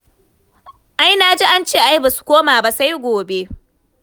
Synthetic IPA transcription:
ʔa˦jna˦d͡ʒi˦ʔa˦nt͡ʃeː˦˨ʔa˦jbaː˨su̥˨kʷoː˦maː˨ba˦sa˦jɡʷoː˨be˦

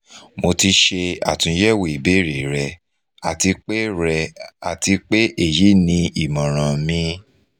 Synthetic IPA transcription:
mo˧ti˧ʃe˧a̰˨tũ˨˧˦jɛ˦˨we˨i˨be˦ɾi˨ɾɛ˧ | a˨ti˧k͡pe˦ɾɛ˧a˨ti˧k͡pe˦ʔe˦˨ji˨˦nĩ˧ʔi˨mɔ̃˨ɾ̃ã˨mĩ˧

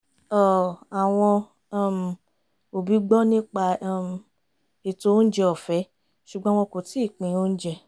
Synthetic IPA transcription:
ɔ˦˨a˨w̃ɔ̃˧˦˧ | m˨ | o˨bi˨˦ɡ͡bɔ˦nĩ˦k͡pa˧˦˧m˨ | i˨to˨˦n̩˦d͡ʒɛ˧ɔ˨fɛ˨˦ | ʃu˨ɡ͡bɔ̃˨˦w̃ɔ̃˧ko˨ti˨˦i˦˨k͡pĩ˨˦o˦n̩˦d͡ʒɛ˧

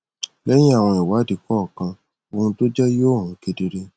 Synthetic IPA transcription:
lɛ˦j̃ĩ˦a˦˨w̃ɔ̃˧i˨wa˨˦di˨kɔ˦˨kã˧ | o˧hũ˧to˦d͡ʒɛ˦jo˦˨ɦũ˨˦ke˦di˧ɾe˧

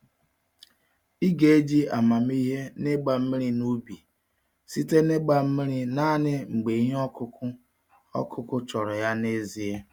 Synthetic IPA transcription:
i˦ɡe˨e˦d͡ʒi˦a˨ma˨m˦i˦ɦe˦ne˦ɡ͡ba˨m̩˦mi˦ɾi˦nu˦bi˨ | si˦te˦ne˦ɡ͡ba˨m̩˦mi˦ɾi˦na˦nɪ˦ŋ͡m̩˨ɡ͡be˨i˦ɦɔ˦kʊ˦ʊ˦ | ɔ̰˦kʰʊ˦kʊ˦t͡ʃɔ˨ɾɔ˨ja˦ne˦zi˨e˦

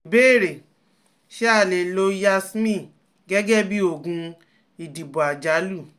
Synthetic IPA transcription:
be˦˨ɾe˨ | ʃe˦a˦˨le˨lo˧ja˧smĩ˦˨ | ɡɛ˦ɡɛ˦bi˦o˦˨ɡũ˧ | i˨di˨bu˨a˨d͡ʒa˨˦lu˦˨

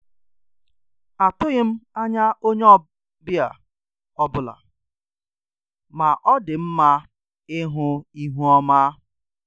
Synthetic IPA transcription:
a˨tʊ˦ɣɪ˦m̩˦a˦ɲa˦ʔo˦ɲe˦ɔ˦ | bja˨ | ɔ˦bʊ˨la̰˨ | ma˨ʔɔ˦dɪ˨m̩˦ma˦ | ɪ˦ɦʊ˦i˦ɦu˦ɔ˦ma˦

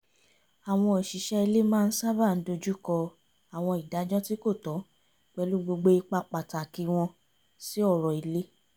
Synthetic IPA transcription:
a˨w̃ɔ̃˧i˨ʃi˨˦ʃɛ˦i˧le˦mãː˦˧n̩˦sa˦ba˦˨n̩˨˦do˧d͡ʒu˦kɔ˧ | a˨w̃ɔ̃˧i˨da˨˦d͡ʒɔ˦ti˦ko˦˨tɔ˨˦ | k͡pɛ˧˦lu˦ɡ͡bo˧ɡ͡bo˧i˧k͡pa˧k͡pa˨ta˨ki˨˧w̃ɔ̃˧ | si˦ɔ˦˨ɾɔ˨i˨le˦

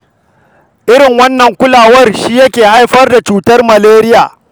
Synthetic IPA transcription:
ʔɪ˦ɾɪ˨ŋwɐ˦nːɐ˨ŋkʷʊ˦laː˨wɐ˦rʃiː˦jɐ˦kʲeː˨ha˦jɸɐ˦rda˨t͡ʃuː˦tɐ˦rmɐ˨leː˦ɾɪ˦jaː˨

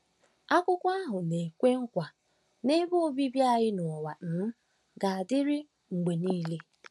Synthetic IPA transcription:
a˦kʷʊ˦kʷa˦ɦʊ˨ne˨kʷe˦ŋ̩˦kʷa˨ | ne˦bo˦bi˦bja˦˨ɣɪ˦nɔ˨wa˨n̩˨˦ | ɡa˨a˨dɪ˦ɾɪ˦ | ŋ̩˨ɡ͡be˨niː˦le˦

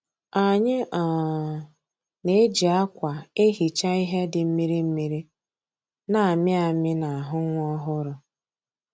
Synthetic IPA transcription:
a˨ɲɪ˦ʔa˨ | ne˦d͡ʒi˨a˦kʷa˨e˦ɦi˨t͡ʃa˦i˦ɦe˦dɪ˨m̩˦mi˦ɾi˦m̩˦mi˨ɾi˦ | na˨a˨mɪ˦a˨mɪ˦na˨a˨ɦʊ˦ŋʷ˦ɔ˦ɦʊ˦ɾʊ˨

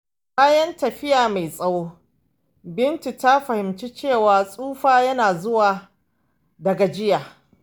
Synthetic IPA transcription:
kaː˦jɐ˦ntɐ˨ɸɪ˦jaː˨ma˨jsʼɐ˦woː˦ | bɪ˦nt͡ʃi˨ta˦ɸɐ˨hɪ˨mt͡ʃi˦t͡ʃeː˦˨waː˨sʼuː˦ɸaː˦jɐ˦naː˨zʊ˦waː˨ | dɐ˨ɡa˨d͡ʒɪ˦jaː˨

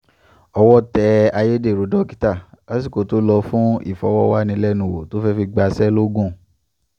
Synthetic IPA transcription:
ɔ˧wɔ˦tɛ˧a˧je˦de˦˨ɾo˨˦dɔ˦ki˦ta˦˨a˨˦s̬i˦˨ko˨to˨˦lɔ˧fũ˦ḭ˦˨fɔ̰˨˦wɔ˦wa˦nĩ˧˦lɛ˦nũ˨wo̰˨to˨˦fɛ˦fi˧ɡ͡ba˧sɛ˦lo˦ɡũ˦˨

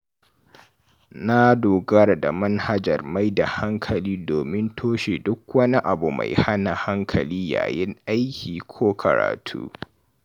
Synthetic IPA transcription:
na˦doː˨ɡɐ˦ɽda̰˨mɐ˦nha˦d͡ʒɐ˨rma˦jda˨ha˦ŋkʰɐ˨liː˦doː˨mɪ˦ntʰoː˦ʃe˨dʊ˦kwɐ˦ni˦ʔa˨bu˨ma̰˨jha˦na˨ha˦ŋkʰɐ˨liː˦ja̰ː˨jɪ˦ŋʔa˦jkʲʰiː˨kʷʰoː˦kʰɐ̰˨ɾa̰ː˨tʰṵː˦

